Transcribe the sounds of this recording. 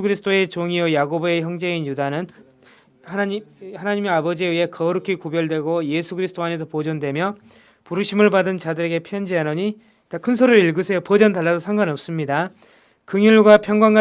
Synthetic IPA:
ɡɯɾisʰɯ̥t͈oe̞t͡ɕoŋiojaɡobe̞çjʌŋd͡ʑe̞injudanɯn | haaihanaɲimeabʌd͡ʑieɥiɦe̞kʌɾukʰikobjʌɭdwe̞ɡoje̞sʰuɡɯɾisʰɯt͈oanes̬ʰʌpod͡ʑʌndwe̞mjʌ | puɾuɕʰimɯɭbadɯnt͡ɕadɯɾe̞ɡe̞pʰjʌnd͡ʑianʌɲi | takʰɯnsʰoɾɯɾiɭɡɯsʰejopʌd͡ʑʌndaɭːadosʰaŋɡanʌp̚s͈ɯmɲida | kɯŋiɭɡwapʰjʌŋɡwaŋɡa

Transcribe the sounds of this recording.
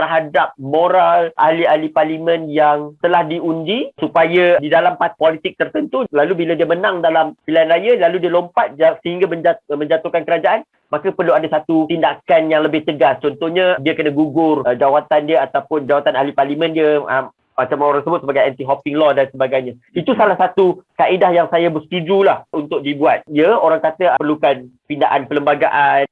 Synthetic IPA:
t̪ərɦadap̚moɾalʔa̰hlialiparlimə̃njaŋt̪əlahdiund͡ʒisupajadidalampat̪̚polit̪ɪk̚t̪ərt̪ənt̪ulalubiladiəmənãŋdalampilaanrajəlaludiəlompat̪̚asəɦiŋɡaməɲd͡ʒamə̃ɲd͡ʒat̪ukankəɾad͡ʒaʔan | makapərluadasat̪ut̪indakanjaŋləbɪht̪əɡast͡ʃɔnt̪ɔhɲãdiəkənəɡuɡʊrd͡ʒawat̪andiəat̪awpʊnd͡ʒawat̪anaɦliparlimə̃ndiəə̰m | mat͡ʃamoɾaŋsəbʊt̪̚səbaɡajant̪iɦɔpɪŋlɔdansəbaɡajɲã | it̪usalahsat̪ukaʔidahjaŋsajabəst̪ud͡ʒulahunt̪ʊk̚dibuat̪̚iəoɾaŋkat̪əpərlukanpindaʔanpələmbaɡaʔan

